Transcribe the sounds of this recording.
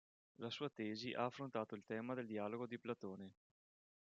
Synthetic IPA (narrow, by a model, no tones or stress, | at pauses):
lasuːat̪ɛːziʔaːfːɾont̪aːt̪oilt̪ɛːmad̪eld̪iaːloɡod̪iplat̪oːne